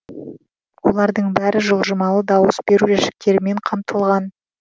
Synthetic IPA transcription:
wo̞lˠɑɾd̪əɴbæɾɪʒolˠʒəmɑlˠəd̪ɑwəsbe̞ɾuʒæʃɪ̥k̚t̪e̞ɾɪme̞ɴqʰɑmt̪ʰəlˠʁɑn

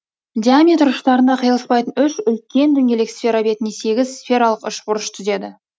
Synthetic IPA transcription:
d̪ʲiamʲet̪rʊʃt̪ɑɾənɑqʰəjəlˠəspɑjt̪ənʏʃʏlkʲe̞nd̪ʏŋʲe̞le̞kʲsfʲe̞ɾabe̞t̪ɪnese̞ɡʲɪzsfʲe̞ɾɑlˠəqʏʃbʊɾəʃt̪ʰʏze̞d̪ɪ

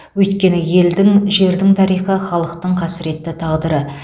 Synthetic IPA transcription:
wɵjt̪̚kʲe̞nɪje̞ld̪ɪŋʒe̞ɾd̪ɪŋt̪ʰɑɾijχəχɑlˠəqt̪əɴqʰɑsɪɾe̞t̪ːɪt̪ʰɑʁd̪əɾə

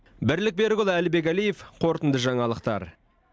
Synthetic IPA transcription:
bɪɾlɪk̚be̞ɾɡʲʊlˠælɪbe̞k̬ælije̞fqʰo̞ɾt̪ənd̪əʒɑɴɑlˠəqt̪ɑ̰ɾ

